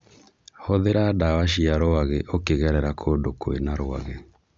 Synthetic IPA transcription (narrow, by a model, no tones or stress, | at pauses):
hoðeɾadawaʃ̬iaɾoaɣeʔokeɣɛɾɛɾakʰoːdokoḛnaɾoa̰ɣe